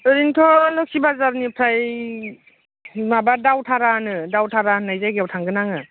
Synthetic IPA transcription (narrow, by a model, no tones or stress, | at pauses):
ɯɾintʰɔlɔk̚sibazaɾnipʰɾaj | mabadawtʰaɾanɯdawtʰaɾanajzajɡewtʰaŋɡɯnaŋɯ